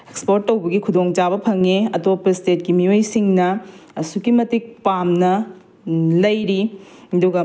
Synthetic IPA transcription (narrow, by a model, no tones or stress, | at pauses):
ekspoɾtːɐwbɐɡikʰudoŋt͡ʃabɐpʰɐŋeɐdubɐpɾistet̚kimiojsiŋnɐːsukimɐtik̚pamnɐ | lɐjɾiɐduɡɐ